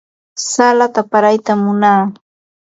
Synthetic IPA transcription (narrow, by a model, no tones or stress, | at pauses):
salat̪apaɾajt̪amːʊnaː